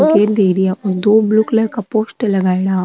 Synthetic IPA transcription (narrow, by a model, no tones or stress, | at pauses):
keːɾd̪eɾijaʔɔɾd̪oːbluːklɐɾkapoːsʈlɐɡaːeɽaː